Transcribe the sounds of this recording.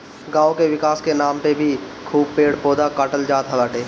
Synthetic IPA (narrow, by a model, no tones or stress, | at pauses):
ɡãːokeʋɪkaːskenaːmpebʱi | kʰuːb̚peːɽpoːd̪akaːʈəld͡ʒaːt̪ɦəlaːʈeː